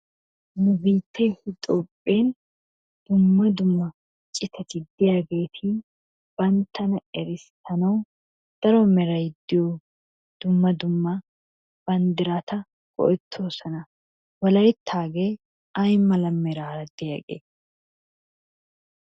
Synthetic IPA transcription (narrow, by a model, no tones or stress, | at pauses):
nʊbiːt̪ʰːeːhɪt̪ʼoːpʼːeːn | d̪̥ʊmːɐd̪ʊmːɐ | t͡ʃʼɪt̪ʰɐt̪ɪd̪ɪɐɡeːt̪ʰiː | b̥ɐnt̪ʰɐnɐɛɾɪst̪ʰɐnɐw | d̪̥ɐɾomɛɾɐjɪd̪ːɪoː | d̪̥ʊmːɐd̪ʊmːa | b̥ɐnd̪ɪɾaːt̪ɐ | ɡ̥ɔ̰ʔɪt̪ʰːoːsɐnɐ | wɐlɐɪt̪ʰːaːɡeː | ʔajɪmːɐlɐmːɛɾaːɾɐd̪ɪɐ̰ɡʼḛː